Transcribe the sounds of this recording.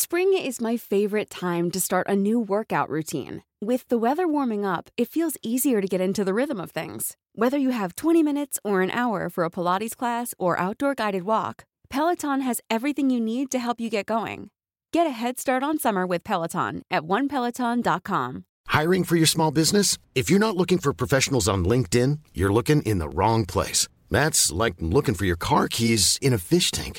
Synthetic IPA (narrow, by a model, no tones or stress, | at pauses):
spɹɪ̃ŋɪzmaɪfeɪvə˞ɨtʰãɪ̃mtɨstɑɹɾʔɨnuwɜ˞kaʊʔɹʉtʰḭ̃n | wɪðəwɛðə˞wɔɹmɪ̃ŋʌpɨtfilˠziziə˞ɾɨɡɛɾɪ̃ntʉðɨɹɪðə̃mʌv̥θɪ̰̃ŋz̥ | wɛðə˞jɨəv̥tʰw̥ɛ̃ɾ̃imɪ̃ñɨtsə˞ɨ̃nʔa̰ʊə̰˞fə˞əpʰəlɑɾiz̥kʰl̥æsə˞ʔa̰ʊt̚d̥ɔɹɡaɪɾɨd̚wɔ̰k | pʰɛlˠətʰɑ̃nɨzɛvɹiθɪ̃ŋjɨnid̚tɨɦɛlˠpjɨɡɛt̚ɡ̥oʊɪ̰̃ŋ | ɡ̥ɛɾɨɦɛd̥stɑɹɾn̩sʌmə˞wɨð̥pʰɛlˠətʰɑ̰̃nʔɨt̚wʌ̃npʰɛlˠətʰɑ̃ndɑt̚kʰɑ̰̃m | haɪɹɪ̃ŋfə˞jə˞smɔlˠbɪznɨs | ɨfjə˞ñətˡlʊkɪ̃ŋfə˞pʰɹ̥ɔfɛʃn̩l̩ˠzn̩lɪ̃ŋk̚tɪ̃njə̰˞lʊkɪ̃ŋʔɪ̰̃nðə̰ɹɔ̃ŋpʰl̥ḛɪs | ðætslaɪk̚lʊkɪ̃ŋfə˞jə˞kʰɑɹkʰizɨ̃ñɨfɪʃtʰæ̰̃ŋk